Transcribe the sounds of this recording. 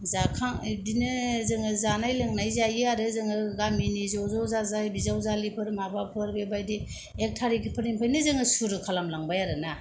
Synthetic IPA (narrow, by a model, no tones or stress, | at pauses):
zakʰaŋdinɯzɯŋɯzanajlɯŋnajzajiaɾɯzɯŋɯɡaminizowzawzazajbizawzalipʰɯɾmabapʰɯɾbebajdi | ek̚tʰaɾikʰipʰɯɾiŋpʰajnɯzɯŋɯsuɾɯkʰalamlaŋbajaɾɯna